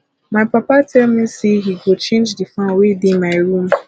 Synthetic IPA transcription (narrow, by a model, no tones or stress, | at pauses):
maɪpapatʰɛlmisiɦiɡot͡ʃẽnd͡ʒdifãnwedemaɪɾũm